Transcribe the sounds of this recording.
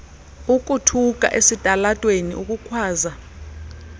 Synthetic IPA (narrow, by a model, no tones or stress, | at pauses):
uk̬ʼutʰuk̬ʼa̰ʔesitʼalatʼwenḭʔuk̬ʼukʰwaːza